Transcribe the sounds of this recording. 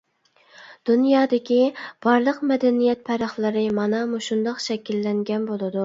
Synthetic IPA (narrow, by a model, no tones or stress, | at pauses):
d̪̥unjɑːd̪ɪkʲib̥ɑɾlˠəqmɛd̪ɛnijɛt̪̚pʰɛɾɑχlˠɨɾɨmɑnɑmuʃund̪ɑqʃɛkʲilːɛŋɡʲɛnbolˠɨd̪u